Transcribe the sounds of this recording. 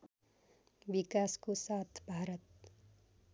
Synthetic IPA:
bikaskosat̪ʰbʱaɾʌt̪̚

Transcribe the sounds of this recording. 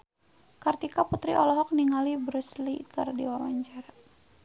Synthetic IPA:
kart̪ikaput̪ɾḭʔɔlɔɦɔk̚niŋalibɾuslikardiwawaɲd͡ʒar

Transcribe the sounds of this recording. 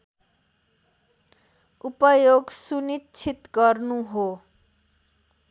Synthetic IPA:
upʌjoɡsunitːt͡sʰit̪ɡʌrnuɦo

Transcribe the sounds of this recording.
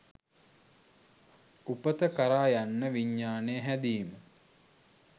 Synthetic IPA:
upət̪əkaɾaːjanːəʋiɲːaːnejəɦæd̪iːmə

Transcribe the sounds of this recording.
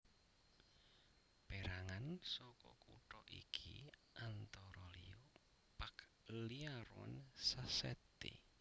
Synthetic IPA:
b̥eɾaŋansɔkɔkuʈɔʔikʰiʔant̪ɔɾɔlio | pak | əliaɾwɔ̰nsasɛt̪ḛ

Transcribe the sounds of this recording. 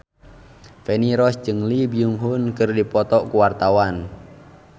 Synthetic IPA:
fɛniɾɔsd͡ʒɨŋlibiuŋɦunkɨrdipɔt̪ɔʔkuwart̪awan

